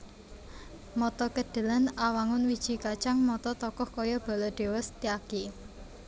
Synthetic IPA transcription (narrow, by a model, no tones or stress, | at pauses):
mɔt̪ɔkəɖ̪̥ə̤lanawaŋʊnwid̥ʒ̥i̤kat͡ʃaŋmɔt̪ɔt̪ɔkɔhkɔjɔb̥a̤lɔɖ̪̥e̤wɔst̪iaɡ̥i